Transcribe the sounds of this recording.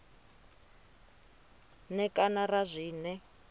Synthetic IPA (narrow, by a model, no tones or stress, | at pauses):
nɛkʼanarazʷiːnɛ